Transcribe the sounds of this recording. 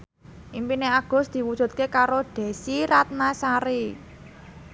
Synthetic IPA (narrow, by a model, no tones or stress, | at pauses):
ʔimpineaɡ̥ʊ̤sd̪̥i̤wud̥ʒ̥ṳt̪̚kekaɾoɖ̥e̤siɾat̪̚nasaɾi